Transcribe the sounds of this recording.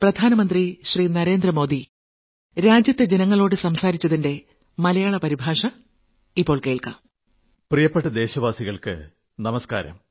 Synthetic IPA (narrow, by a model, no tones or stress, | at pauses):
prɐd̪ʱaːnɐmɐnd̪riɕriːnɐɾe̞ːnd̪rɐmo̞ːd̪i | ɾaːd͡ʑjɐt̪ːe̞d͡ʑenɐŋːɐɭo̞ːɽɨsɐmsaːɾit͡ɕːɐðinde̞ | mɐlɐjaːɭɐpɐɾibʱaːʂɐ | ipːo̞ːɭkeːɭka̰m | prijɐpːeʈːɐd̪e̞ːɕɐʋaːsiɣɐɭkɨ̰ | nɐmɐska̰ːɾɐ̰m